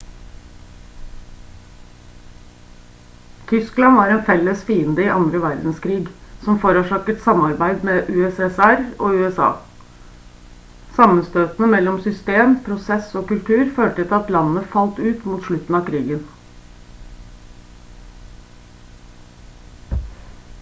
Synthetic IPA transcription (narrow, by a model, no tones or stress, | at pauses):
t̪ʰʏsklɑnʋɑːɾɛːnfɛlːəsfiːənd̪əɪʔɑnd̪ɾəʋæɾd̪n̩skʰɾiːɡsɔmfoɾoːʂɑːkəʈ̪sɑmɑɾbæɪd̪mɛʔʉːɛsɛsæɾoːʉːɛsɑ̰ː | sɑmːənst̪øːt̪nəmɛlːɔmsʏst̪eːmpʰɾʊsɛsoːkʉlt̪ʰʉːɾføːʈət̪ɪɑt̪lɑnːəfɑlt̪ʉːt̪muːt̪ʂɭʉt̪n̩ɑːkʰɾiːɡən